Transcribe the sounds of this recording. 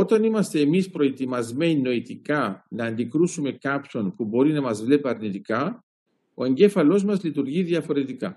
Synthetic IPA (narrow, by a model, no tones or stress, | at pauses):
o̞t̪ɐnimɐst̪e̞ːmispɾo̞e̞t̪imɐzme̞nino̞it̪ikɐnɐːnd̪ikɾusume̞kɐpço̞npubo̞ɾinɐmɐzvle̞piɐɾnit̪ikɐ | o̞e̞ɲɟe̞fɐlo̞zmɐzlit̪uɾʝiðiɐfo̞ɾe̞t̪ikɐ